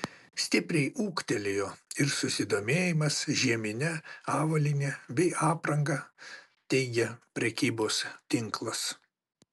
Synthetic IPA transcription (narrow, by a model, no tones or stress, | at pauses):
sʲt̪ʲɪpʲɾʲɛɪʔuːkt̪ʲɛlʲejoːɪɾsʊsʲɪd̪oːmʲeːjɪmɐsʒʲiɛmʲɪnʲɛɑːʋɐlʲɪnʲebʲɛɪʔɑːpɾɐŋɡɑ | t̪ʲɛɪɡʲɛpʲɾʲɛkʲiːboːst̪ʲɪŋklˠɐs